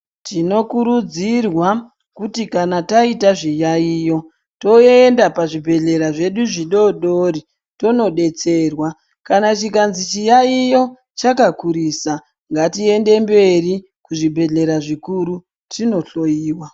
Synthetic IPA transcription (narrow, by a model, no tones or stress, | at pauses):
tino̞kuɾud͡zirwa | kutikanataitaʐijaiːjo̞ | to̞endapaʐibʱe̞ɮe̞ɾaʐe̞ɗuʐiɗo̞ɗoɾi | to̞no̞ɗe̞t͡se̞rwa | kanat͡ʃikanzit͡ʃijaijo̞ | t͡ʃakakuɾiːsa | ŋɡatie̞nde̞mbe̞ri | kuʐibʱe̞ɮe̞ɾaʐikuɾu | tino̞ɬo̞jiːwa